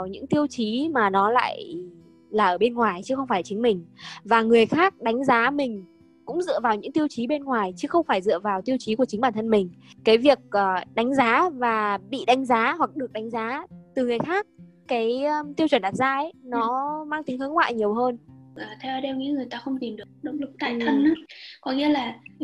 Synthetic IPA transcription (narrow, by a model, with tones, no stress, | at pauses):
wɲɨ̰˧˥ŋt̪i˧əwt͡ɕi˨˦maː˨˩nɔ˨˦la̰ː˧˨j | laː˨˩ʔəː˧˩ɓe˧nŋwaː˨˩jt͡ɕɨ˨˦xə˧wŋ͡mfaː˧˩jt͡ɕï˨˦ŋ̟mï˨˩ŋ̟vaː˨˩ŋɨ˨˩əjxaː˦˥k̚ɗa˨˦jŋ̟zaː˨˦mï˨˩ŋ̟ | kʊ̰˧˥ŋ͡mzɨ̰˧˨əvaː˨˩wɲɨ̰˧˥ŋt̪i˧əwt͡ɕi˨˦ɓe˧nŋwaː˨˩jt͡ɕɨ˨˦xə˧wŋ͡mfaː˧˩jzɨ̰˧˨əvaː˨˩wt̪i˧əwt͡ɕi˨˦ku˧˩ət͡ɕi˨˦ŋ̟ɓaː˧˩nt̪ʰə˧nmï˨˩ŋ̟kaː˨˦jvi˨˩ək̚ʔəː˨˩ɗa˨˦ŋ̟zaː˨˦vaː˨˩ɓḭ˧˨ɗa˨˦jŋ̟zaː˨˦hwa˨˩k̚ɗɨ˨˩ək̚ɗa˨˦ŋ̟zaː˨˦t̪ɨ˨˩ŋɨ˨˩əjxaː˦˥k̚ | kaː˨˦jt̪i˧əwt͡ɕwə˧˩nɗaː˨˩t̚zaː˧ʔnɔ˨˦maː˧ŋt̪i˨˦ŋhə˨˦nŋwa̰ː˧˨jɲi˨˩əwɦəː˧nʔəː˨˩t̪ʰɛ˧wɗe˧wɲḭ˧˥ŋɨ˨˩əjt̪aː˧xə˧wŋ͡mt̪i˨˩mɗɨ˨˩ək̚ɗə̰˧˥wŋ͡mlɨ˨˩k̚t̪a̰ː˧˨jt̪ʰə˧na˨˦kɔ˨˦ŋḭ˧˥əlaː˨˩